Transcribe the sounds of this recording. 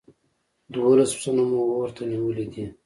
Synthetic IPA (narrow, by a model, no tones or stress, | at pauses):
d̪wolaspsanomowoɾt̪aniwəlid̪i